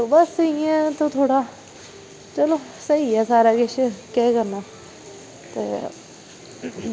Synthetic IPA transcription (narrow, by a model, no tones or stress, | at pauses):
t̪obəsiãːt̪oːt̪ʰoːɽaː | t͡ʃəloːsəiɛːsaːɾaːkɪʃkɛːkəɾnaː | t̪ḛː